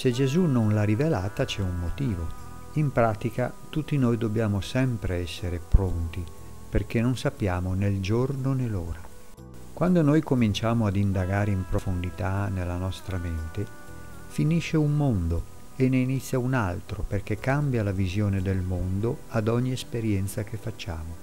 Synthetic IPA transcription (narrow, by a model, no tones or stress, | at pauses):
sed͡ʒezunonlarivelaːt̪at͡ʃɛummot̪iːvo | impɾaːt̪ika | t̪ut̪ːinojd̪objaːmosɛmpɾeɛsːeɾepɾont̪i | perk̟enːonsapːjaːmoneld͡ʒornonelːoːɾa | kwand̪onojkomint͡ʃaːmoad̪ind̪aɡaːɾeimpɾofond̪it̪anelːanɔst̪ɾament̪e | finiʃːeunmond̪o | enːeinit̪sːjaunalt̪ɾoperk̟ekːambjalavizjoːned̪elmond̪oad̪ɔɲːiespeɾjɛnt̪sak̟efːat͡ʃːaːmo